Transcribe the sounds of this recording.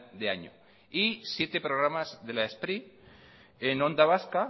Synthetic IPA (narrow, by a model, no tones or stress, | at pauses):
d̪eaɲo̰ | isje̞t̪epɾoɣɾamazðe̞laespɾi | eno̞nd̪aβ̞aska